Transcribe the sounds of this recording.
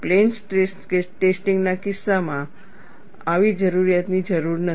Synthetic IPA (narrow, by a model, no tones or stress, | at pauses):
plensʈeskesʈesʈiŋɡnakisːamã | aʋid͡ʒəɾuɾijat̪nid͡ʒəɾuɾnə